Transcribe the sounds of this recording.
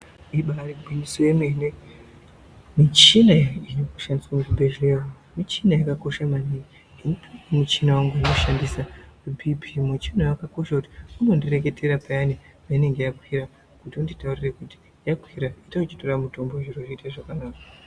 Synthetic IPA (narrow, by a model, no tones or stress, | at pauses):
iɓariɡwiniswemene | mit͡ʃinainokuʃandiswamukubʱeʒleo | mit͡ʃinajakako̞ʃamani | inupʰimit͡ʃinawaŋɡanoʃandisaubʱibʱimwet͡ʃinajakako̞ʃakuti̥unondire̞k̬e̞tʰeɾapajane | paine̞ŋɡe̞jakwiɾa | kutiunditaurirekuti̥ | jakwiɾaitaut͡ʃitoramutomboʐiroriitaʐakanaːkḁ